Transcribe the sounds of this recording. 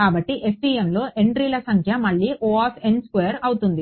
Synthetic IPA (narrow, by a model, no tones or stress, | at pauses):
kaːbɐʈːiʔepːiːemlo̞ːʔeɳɖɾiːlɐsɐŋkʰjɐmɐɭːiːʔoːaːpʰenskʋejɐɾɐwut̪und̪i